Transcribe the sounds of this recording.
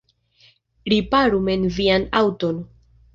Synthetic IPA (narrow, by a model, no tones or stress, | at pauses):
ɾipaɾume̞nvianawto̞n